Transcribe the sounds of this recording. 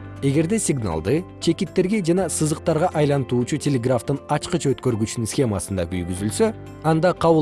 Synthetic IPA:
e̞ɡe̞ɾd̪e̞sʲɪɡna̰lˠd̪ɯt͡ʃʰe̞kit̪ːe̞ɾɡe̞d͡ʒɑnɑsɯzɯq̚t̪ɑɾʁɑʔɑjlˠɑnt̪uːt͡ʃutʲelʲeɡraft̪ɯnɑt͡ʃqɯt͡ʃʰø̞t̪køɾɡyt͡ʃynynsxʲe̞masɯnd̪ɑky̰jɡyzylsø̞ | ɑnd̪ɑqʰɑβ

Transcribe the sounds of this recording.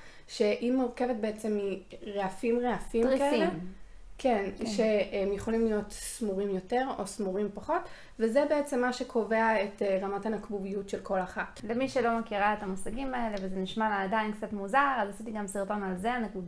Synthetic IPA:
ʃe̞ʔimuʁke̞vet̚beet͡se̞mːiʁeafimʁeafimʁikaeiekʰenʃeemjeχo̞limlijo̞tsmuʁimjo̞te̞ʁo̞̰smuʁimpaχo̞t | vezebeet͡semːaʃekʰo̞ve̞aetʁamathanakbuvijutʃe̞lko̞laχatlemiʃelo̞makiʁaetamusaɡimaele̞vezeniʃmalaːdainkt͡satmuzaʁazasitiɡamsiʁto̞nalzeanekud

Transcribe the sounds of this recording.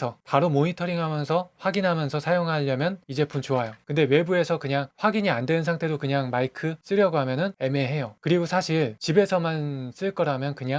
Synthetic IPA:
sʰʌpaɾomoɲitʰʌɾiŋɦamjʌnsʰʌɸwaɡinɦamjʌnsʰʌsʰajoŋɦaʎːʌmjʌnid͡ʑe̞pʰunt͡ɕoajokɯnde̞we̞bue̞sʰʌkɯɲaŋɸwaɡiɲiandweɯnsʰaŋtʰe̞dokɯɲaŋmaikʰɯs͈ɯɾjʌɡoɦamjʌnɯne̞me̞ɦe̞jokɯɾiɡosʰaɕʰiɭt͡ɕibesʰʌmans͈ɯɭk͈ʌɾamjʌnkɯɲa

